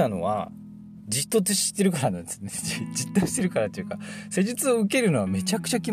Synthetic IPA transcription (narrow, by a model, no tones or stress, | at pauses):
ano̞̰βa̰ | d͡ʑit̪ːo̞tɨɕi̥t̪ːe̞ɾɯ̟kaɾanãnd̪e̞sɨneid͡ʑit̪ːoɕi̥t̪e̞ɾɯ̟kaɾat̪ːo̞jiɯ̟kase̞ʑit͡sɨoɯ̟ke̞ɾɯ̟no̞βame̞t͡ɕakɯ̟̥t͡ɕakʲi